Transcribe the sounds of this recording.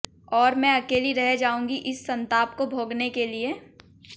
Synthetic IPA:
ɔːɾmɛ̃ɐkeːliɾɛɦed͡ʒaːũːŋɡiʔɪsːɐ̃nt̪aːp̚kobʱoːɡnekelie

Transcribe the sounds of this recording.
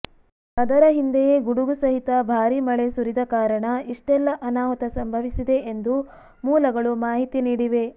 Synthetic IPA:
ɐd̪ɐɾɐɦind̪ejeɡuɽuɡusɐɦit̪ɐbʱaːɾimɐɭesuɾid̪ɐkaːɾɐɳɐiʂʈɛlːɐʔɐnaːʋɐt̪ɐsɐmbʱɐʋisid̪e̞ʔend̪u | muːlɐɡɐɭumaːɦit̪iniːɽiʋe̞

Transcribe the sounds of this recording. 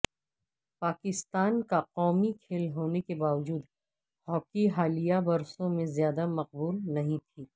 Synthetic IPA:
paːkɪst̪aːnkaqɔːmikʰeːlɦoːnekebaːʋd͡ʒuːd̪ | hɔːkiɦaːlijabɐɾsõmẽzjaːd̪amɐq̚buːlnɐɦĩt̪ʰiː

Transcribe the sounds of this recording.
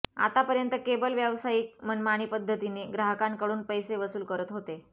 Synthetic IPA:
a̰t̪apəɾjənt̪əkebəlʋjaʋsaiːk̚m̤əɳmaɽ̃iːpəd̪ʱːət̪iniːɡɾaɦəkãnkəɽuːnpəjseʋəsuːlkəɾət̪ɦot̪e

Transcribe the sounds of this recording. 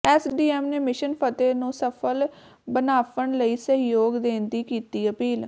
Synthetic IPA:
ɛːsɖiːɛːmneːmɪʃənpʰət̪eːnũːsəpʰəl | bənaːpəɳləiːsəɦɪjoːɡd̪eːnd̪iːkiːt̪iːəpiːl

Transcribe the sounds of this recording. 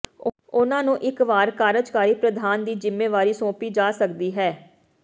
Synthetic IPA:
ʊnãːnũːʔɪkʋaːɾkaːɾəd͡ʒkaːɾiːpɾəd̪ʱaːnd̪iːd͡ʒɪmːeːʋaːɾiːsõːpiːd͡ʒaːsəkd̪iːɦɛː

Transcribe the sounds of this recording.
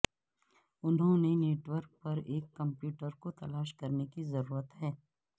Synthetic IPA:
ʊnɦõneneːʈwəɾk̚pɐɾeːkːɐ̃mpjuːʈəɾkot̪ɐlaːʃkɐɾnekizɐɾuːɾət̪ɦɛː

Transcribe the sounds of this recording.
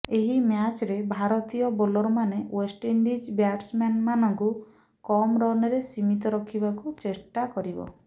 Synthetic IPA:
eɦimjat͡ʃɾebʱaɾɔt̪ijɔbolɔɾɔmanewesʈiɳɖid͡ʒbjaʈsmanmanɔŋku | kɔmɾɔneɾesimit̪ɔɾɔkʰibakut͡ʃesʈakɔɾibɔ̰

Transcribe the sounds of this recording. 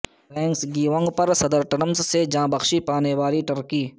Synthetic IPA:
ɾɛ̃ːŋksɡiːʋə̃ŋɡpɐɾsɐd̪əɾʈɐɾəmzsed͡ʒãːbɐxʃipaːneʋaːɾiʈɐɾkiː

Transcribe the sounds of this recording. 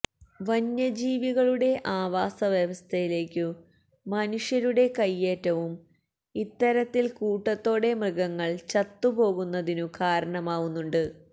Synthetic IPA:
ʋɐɲːɐd͡ʑiːʋiɣɐɭuɽe̞ʔaːʋaːsɐʋjeʋɐst̪ʰɐjile̞ːkʲːɨ | mɐnuʂjɐɾuɽe̞kɐjːe̞ːtːɐʋum | it̪ːɐɾɐt̪ːilkuːʈːɐt̪ːo̞ːɽe̞mrɨɣɐŋːɐɭt͡ɕɐt̪ːubo̞ːɣunːɐðinukaːɾɐɳɐmaːɣunːuɳɖɨ

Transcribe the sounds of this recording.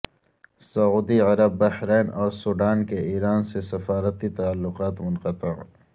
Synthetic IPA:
sɐuːd̪iʕɐɾɐbːɐhɾeːnɔːɾsuːɖaːnkeiːɾaːnsesɐfaːɾət̪it̪aalːʊqaːt̪mʊnqət̪ɪʕ

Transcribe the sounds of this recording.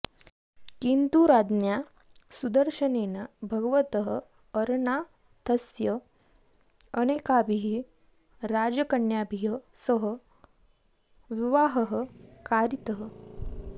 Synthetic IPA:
kint̪uɾad̪nja | sud̪əɾɕənenabʱəɡʋət̪əɦə | əɾɳa | t̪ʰəsjə | ənekabʱiɦi | ɾad͡zəkəɳjabʱiɦə | səɦə | ʋiʋaɦəɦəkaɾit̪əɦə

